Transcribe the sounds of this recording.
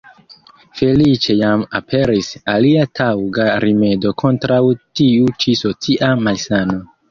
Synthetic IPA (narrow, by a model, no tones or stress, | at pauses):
fe̞lit͡ʃe̞jamapʰe̞ɾisaliatʰawɡaɾime̞do̞kʰo̞ntɾawtiut͡ʃiso̞t͡siʔamalsano̞